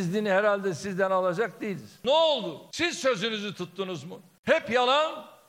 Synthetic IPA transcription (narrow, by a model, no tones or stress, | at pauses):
zd̪inihɛɾalʲd̪ɛsizd̪ænalˠad͡ʒak̚d̪ejilʲiz̥nɛolˠd̪ʊsizsø̞zynyzit̪ʰut̪ːunuzmʊ | hɛpjalˠan